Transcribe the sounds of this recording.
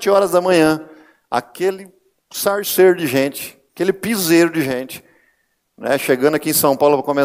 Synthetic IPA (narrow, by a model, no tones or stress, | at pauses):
t͡ʃɪɔɾɐzd̪ɐmɐ̃ɲɐ̃ | a̰kelɪ | saɾsejɾʊd͡ʒɪʒẽt͡ʃɪ̥akelɪpizejɾʊd͡ʒɪʒẽt͡ʃɪ̥ | nɛ̰ʃeɡɐ̃nd̪ɐkiẽj̃sɐ̃w̃pawlʊpɾɐkõme